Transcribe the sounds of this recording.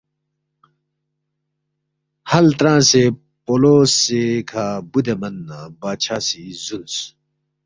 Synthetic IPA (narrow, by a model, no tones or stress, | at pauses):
hɐlt̪ɾãːse | poːloːsekʰaːbud̪emɐnːabaːt͡ɕʰaːsizuns